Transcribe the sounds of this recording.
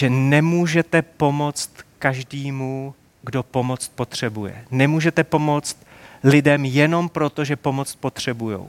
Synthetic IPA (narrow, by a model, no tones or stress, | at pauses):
ʒɛnɛmuːʒɛt̪ɛpo̞mo̞t͡st̪kaʒdiːmu | ɡdo̞po̞mo̞t͡st̪̚po̞t̪r̝̥ɛbujɛ̰nɛmuːʒɛt̪ɛpo̞mo̞t͡st̪ | lɪdɛmjɛno̞mpɾo̞t̪o̞ʒɛpo̞mo̞t͡st̪̚po̞t̪r̝̥ɛbujo̰w